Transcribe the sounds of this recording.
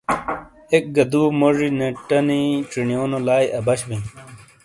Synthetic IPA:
ek̚ɡɐd̪uːmoʐineʈɐniʈ͡ʂiɳijoːnolaːjʔɐbɐɕʋĩ

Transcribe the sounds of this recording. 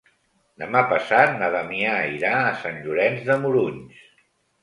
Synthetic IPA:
d̪əmapəsat̪̚naβamiaiɾaːsanʎuɾɛnzðəmuɾuɲs

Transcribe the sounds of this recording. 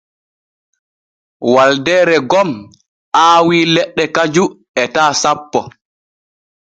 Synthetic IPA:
waldɛːɾɛɡɔm | ʔaːwiːlɛɗːɛkad͡ʒu | ɛtaːsapːɔ

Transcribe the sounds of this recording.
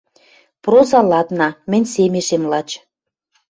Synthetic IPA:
prozɑlɑt̪nɑmɘ̆nʲsemeʃemlɑt͡ɕ

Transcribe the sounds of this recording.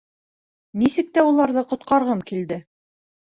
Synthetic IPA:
nisɘ̆k̚t̪æulˠɑɾðɤqŏt̪̚qɑɾʁɤmkild̪ɘ

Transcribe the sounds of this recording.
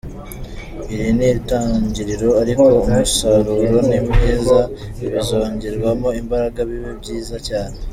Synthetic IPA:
iɾinitaːɲɟiɾiɾo̞aɾiko̞umusaɾuːɾo̞nimeːza | iβizoɲɟiɾɡwamoimbaɾaɡaβiβibɟiːzacaːɾa

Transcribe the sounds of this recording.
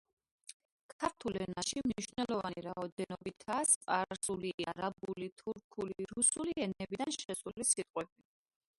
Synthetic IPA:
kʰaɾt̪ʰulɛnaʃimniʃvnɛlɔvaniɾaɔd̪ɛnɔbit̪ʰasqʼaɾsuliaɾabulit̪ʰuɾkʰuliɾusuliɛnɛbid̪anʃʃɛsulisit̪ʼqʼwɛb̚i

